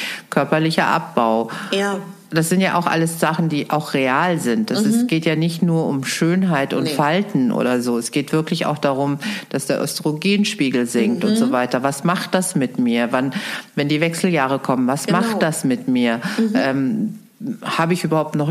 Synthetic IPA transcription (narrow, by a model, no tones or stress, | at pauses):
kʰœɐpɐlɪçɐʔa̰p̚b̥aʊ | d̥asz̥ɪntjaːʔa̰ʊxʔa̰ləsz̥aχn̩d̥iːʔaʊxʁeaːlzɪntd̥asɪsɡ̥eːtjaːnɪçtnuːɐʔʊmʃøːnɦaɪtʊ̰nfaltn̩ʔo̰ːdɐzoːɛsɡ̥eːtv̥ɪɐklɪça̰ʊxd̥aːʁʊmd̥asd̥eːɐʔœ̰stəʁoɡiːnʃpiːɡl̩zɪŋktʊntz̥oːvaɪtɐvasmaχt̚d̥asmɪtmiːɐvanvɛndiːvɛksl̩jaːʁəkʰɔmənvasmaχtd̥asmɪtmiːɐʔɛːm | haːbəɪçʔyːbɐhaʊp̚tnɔχ